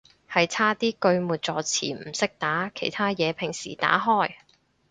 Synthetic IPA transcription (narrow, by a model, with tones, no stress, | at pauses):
hɐ˨jt͡sʰaː˥t̪iː˥kɵ˧ɥmuː˨˩t̚t͡sɔː˨˧t͡sʰḭː˨˩m̩˨˩sɪ˥k̚t̪aː˨˥kʰe˨˩jt̪ʰaː˥jɛː˨˧pʰɪ˨˩ŋsḭː˨˩t̪a̰ː˨˥ɦɔː˥˩j